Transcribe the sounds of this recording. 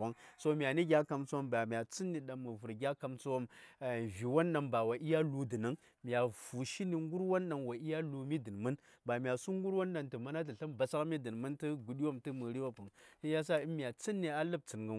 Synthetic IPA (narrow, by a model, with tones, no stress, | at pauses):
a˦ŋso˦mi˨a˨ni˦ɡʲa˦ka˨mt͡su˦wo˦mba˨mʲ˨a˨t͡si˦nːi˨ɗa˨mːu˨vu˨ɾɡʲa˦ka˨mt͡su˦wo˦m˨vi˨wa˦nːa˨ŋba˨wa˨ʔi˦ja˦lu˨di˨na˦ŋ | m˨a˨vu˨ʃi˦ni˨ŋɡu˦ɾwo˦nɗa˨nwa˨i˦ja˦lu˨mi˦dɨ˨n˨mə˦n | ba˨mʲ˨a˨su˦ŋ˦ɡu˦ɾwo˦nɗa˨ntɨ˨ma˦na˦t̬ə˨ɬa˦mba˨sa˦kmi˦də˨n˨mɨ˦ntɨ˦ɡu˨ɗi˦wo˦˨mtɨ˦mə˨ɾi˦wa˦pu˨ŋni˦ja˦s̬a˦i˦mi˨a˨t͡si˦nːi˨a˨lɨ˦b̚t͡si˨nɡə˨